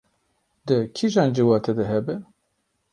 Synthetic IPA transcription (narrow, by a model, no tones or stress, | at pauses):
d̪ɨkʰiʒɑːnd͡ʒiwɑːt̪ʰɛd̪ɨɦɛbɨn